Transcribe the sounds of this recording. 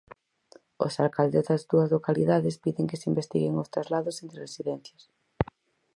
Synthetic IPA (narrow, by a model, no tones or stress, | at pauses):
o̰salkald̪ezðɐzðuɐzlokaliðaðɪspiðeŋkeseimbest̪iɣeŋost̪ɾazlaðʊsent̪ɾeresiðɛnθjɐs